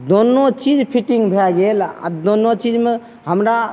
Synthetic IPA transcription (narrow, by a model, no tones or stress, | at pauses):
d̪ɔnːɔt͡ʃid͡ʒpʰitiŋbʱejaɡel̰d̪ɔnːɔt͡ʃid͡ʒmɯ | hamɾa